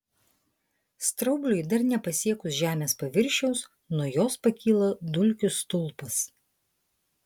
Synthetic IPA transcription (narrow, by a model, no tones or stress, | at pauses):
st̪ɾɐʊbʲlʲʊjd̪ɐɾnʲɛpɐsʲiɛkʊsʒʲæːmʲeːspɐʋʲɪɾʲˑʃʲɛʊs | nuɔjoːspɐkʲiːlˠɐd̪ʊlʲkʲʊst̪ʊlˠˑpɐs